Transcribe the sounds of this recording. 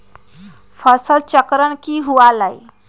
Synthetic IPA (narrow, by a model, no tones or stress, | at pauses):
fəsəlt͡səkɾəɳkiːɦualaj